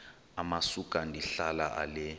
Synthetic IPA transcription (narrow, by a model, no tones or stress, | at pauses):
amasukʼandʱiɬala̰ʔa̰lɛ